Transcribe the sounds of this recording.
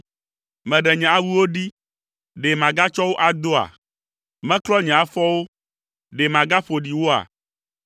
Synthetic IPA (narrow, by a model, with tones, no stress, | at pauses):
mɛ̃˨ɖɛ˨ɲɛ̃˨a˦wu˦wo˦ɖi˦ | ɖe˨mã˨ɡa˦t͡ʃɔ˦wo˦ʔa˨d̪o˦a̰˨ | mɛ̃˦klɔ˦ɲɛ̃˨a˨fɔ˦wo˦ | ɖe˨mã˨ɡa˦ɸo˨ɖi˨wo˦a̰˨